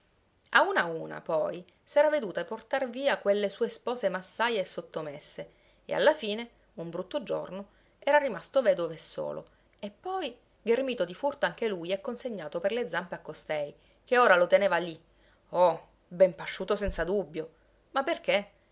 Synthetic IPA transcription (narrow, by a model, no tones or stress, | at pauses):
aunauːna̰pɔj | sɛːɾaved̪uːt̪aport̪arviːakwelːesuːespɔːsemasːajeːsːot̪ːomesːe | ḛa̰lːafiːne | umbɾut̪ːod͡ʒo̰rno | ɛːɾarimast̪ovɛːd̪ovesːo̰ːlʔo̰ | epːɔj | ɡermiːt̪od̪ifurt̪oaŋk̟elujɛkːonseɲːaːt̪operled̪zampeakːost̪ɛj | keoːɾalot̪eneːvali | ɔ | bɛmpaʃːuːt̪osɛnt̪sad̪ubːjo | mapːerk̟e